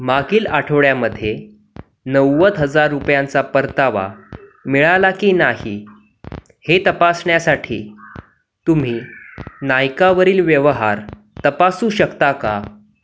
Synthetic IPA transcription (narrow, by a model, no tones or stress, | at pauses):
maɡiːlaʈʰəʋɭjaməd̪ʱːje | nəwːət̪ɦəd͡zaɾːupjant͡sapəɾt̪aʋa̰miɭalakiːnaɦi | het̪əpasɳjasaʈʰḭː | t̪um̤iːnajkaʋəɾiːlʋjəʋɦaɾ | t̪əpasũːɕəkt̪aka